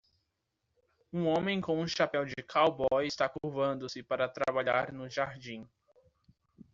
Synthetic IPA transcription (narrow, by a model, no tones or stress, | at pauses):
ũõmẽj̃kõw̃ũʃapɛwd͡ʒɪkʰawbɔjɪst̪akuɾvɐ̃nd̪ʊsɪpaɾɐt̪ɾabaʎaɾnʊʒaɾd͡ʒĩ